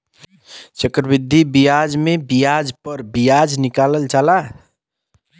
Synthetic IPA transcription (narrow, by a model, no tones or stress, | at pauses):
t͡ʃəkɾəbid̪ʱːibijad͡ʒmebijad͡ʒpəɾbijad͡ʒnikaləlt͡ʃala